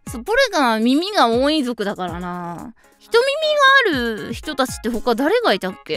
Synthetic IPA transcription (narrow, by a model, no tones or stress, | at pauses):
sopoɾeɡamʲimʲiɡaoːĩzo̞kɯ̟d̪akaɾanaː | çi̥t̪o̞mʲimʲiɡaːɾɯ̟çi̥t̪o̞t̪at͡ɕi̥t̪ːe̞ɦo̞kːad̪aɾe̞ɡait̪akːe̞